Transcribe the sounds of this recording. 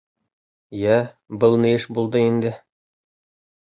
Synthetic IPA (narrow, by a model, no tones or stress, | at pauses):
jæ | bɤlˠnɤ̆jɘʃbulˠd̪ɤind̪ɘ